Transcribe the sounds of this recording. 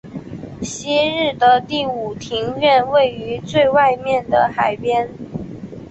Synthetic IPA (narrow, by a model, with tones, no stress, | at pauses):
ɕi˥ɻɻ̩˥˩d̪ə˩t̪i˥˩u˨˩t̪ʰi˧˥ŋɥɛ˥˧nwe˥˩ɪy˧˥t͡swe˥˧ɪwa˥˧ɪmjɛ˥˩nd̪ə˩xa˨˩ɪpjɛ˥n